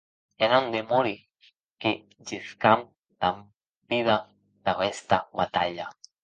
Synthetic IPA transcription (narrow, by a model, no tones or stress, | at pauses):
eɾand̪emoɾi | ke | d͡ʒeskam | t̪am | piða | d̪aest̪aβat̪aʎa